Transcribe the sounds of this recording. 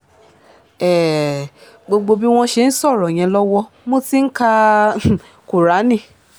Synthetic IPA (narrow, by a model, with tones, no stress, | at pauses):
ɛ˨ | ɡ͡bo˧ɡ͡bo˧bi˦w̃ɔ̃˦ʃe˧n̩˦sɔ˦˨ɾɔ˨j̃ɛ̃˧lɔ˦wɔ˦ | mo˦ti˦n̩˦ka˧˨ | ko˨ɾa˨˦nĩ˦˨